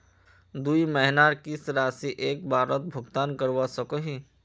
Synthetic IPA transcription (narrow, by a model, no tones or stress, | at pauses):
d̪uimɛɦnaːɾkisɾaːsiʔeːk̚bʱaːɾət̪̚bʱʊɡt̪aːnkəɾʋasəkoɦiː